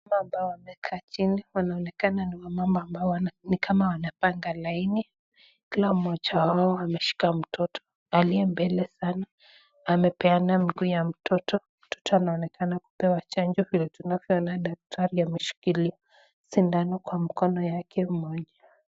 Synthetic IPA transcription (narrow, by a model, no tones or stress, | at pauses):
mamaːmbaɔwamɛkʰaːt͡ʃiniwanaɔnɛkananiwamambɔambaɔnikʰamawanapaŋɡalaini | kilamɔd͡ʒawaɔamɛʃi̥kam̩tʰɔtʰɔ̥ | aliɛmbɛlɛsanaː | mɛpɛanamiɡuːjam̩tʰɔtɔ | m̩tʰɔ̥tɔanaɔnɛkʰanaku̥pɛwat͡ʃand͡ʒɔvilɛtunavjɔɔnaɗak̚tʰaɾiamɛʃi̥kilia | sindanɔkwamikɔnɔjakʰɛmɔʄa